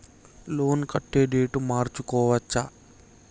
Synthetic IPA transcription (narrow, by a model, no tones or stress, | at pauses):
lo̞ːnkɐʈːeːɖeːʈumaːɾt͡ʃukɔːʋɐt͡ʃːa